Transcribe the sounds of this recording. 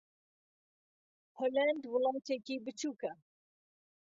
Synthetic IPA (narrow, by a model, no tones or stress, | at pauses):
holand̪wɨlˠɑːt̪ɛkiːbɨt͡ʃʰuːkɛ